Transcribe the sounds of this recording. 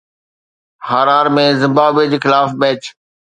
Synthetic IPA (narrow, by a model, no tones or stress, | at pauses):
haːɾaːɾmẽzɪ̃mbaːbiəd͡ʑeːxɪlaːfmɛːt͡ɕ